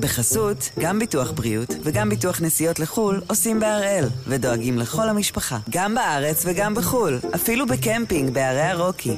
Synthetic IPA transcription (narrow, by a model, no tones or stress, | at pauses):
beχasutɡambituaχbʁiutveɡambituaχnesijo̞tleχulo̞simbeaʁe̞lvedo̞aɡimle̞χo̞lhamiʃpaχaɡambaʔaʁe̞t͡sveɡambeχulʔafilubekempiŋɡbeaʁejaʁo̞kʰi